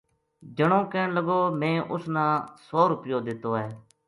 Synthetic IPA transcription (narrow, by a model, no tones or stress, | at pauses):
d͡ʒəɳõːkẽːnləɡoːmẽːʔʊsnãːsoːɾʊpɪjoːd̪ɪt̪oːɦɛː